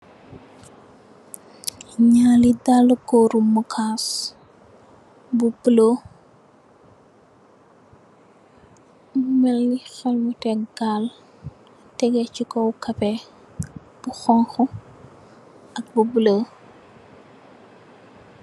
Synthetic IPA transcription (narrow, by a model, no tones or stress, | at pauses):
ɲaːlidalɐkɔɾumukʰaːs | bubəlo | umɛlnixɛlmutɛɡaːl | tɛɡɛcikɔwkɐpɛ | b̥uxɔŋxɔ | ɐk̚bubələ